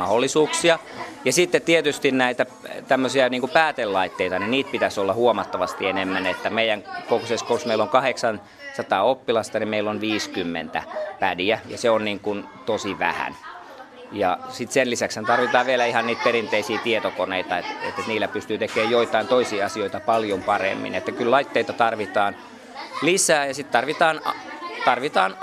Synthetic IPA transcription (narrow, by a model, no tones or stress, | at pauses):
mɑholːisuːksiɑ | jɑsit̪ːet̪t̪iet̪yst̪innæit̪æ | t̪æmːøsiɑniːŋkupæːt̪ellɑit̪ːeit̪ɑninniːt̪̚pit̪æsolːɑhuomɑt̪ːɑʋɑst̪ienemːænet̪ːæmeijˑæŋkokoseskosmeiloŋkɑheksɑn | sɑt̪ɑːopːilɑst̪ɑnimeilːonʋiːskymːḛnt̪æ̰pædiæjɑ̰seonniːŋkun | t̪osiʋæ̰hæ̰n | jɑ̰sit̪senlisækshænt̪ɑrʋit̪ɑːʋʋielæihɑnniːt̪̚peɾint̪eisiːt̪iet̪okoneit̪ɑet̪ḛt̪ːet̪niːlːˑæpyst̪yːt̪ekeːjjoit̪ɑint̪oisiːɑsioit̪ɑpɑljompɑrḛmːḭnet̪ːækyllɑit̪ːeit̪ɑt̪ɑrʋit̪ɑːn | lisæːjɑsit̪t̪ɑrʋit̪ɑːnt̪ɑrʋit̪ɑːn